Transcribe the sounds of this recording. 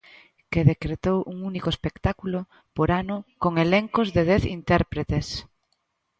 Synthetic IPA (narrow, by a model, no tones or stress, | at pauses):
keðekɾet̪owʔuŋunikoespekt̪akulo | poɾanʊkoŋeleŋkozðeð̞ɛθint̪ɛɾpɾet̪es